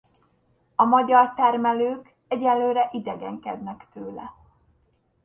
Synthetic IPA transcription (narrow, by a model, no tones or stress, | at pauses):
ɒmɒɟɒrt̪ɛrmɛløːk | ɛɟɛllːøːɾɛʔid̪ɛɡɛŋkɛd̪nɛkt̪øːlɛ̰